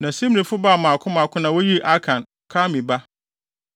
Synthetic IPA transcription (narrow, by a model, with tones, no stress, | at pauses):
nã˨si˦m˦ĩ˨fʊ˦baː˦˨mã˨kʰʊ˦mã˨kʊ˦nã˨˦wʊ˦ji˦ʔa˦kʰã˨n | kʰa˦mĩ˨ba˦